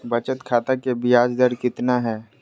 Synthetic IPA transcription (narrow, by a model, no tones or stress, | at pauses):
bɐt͡ʃət̪kʰaːt̪akebɪjaːd͡ʒd̪əɾkɪt̪naɦɛː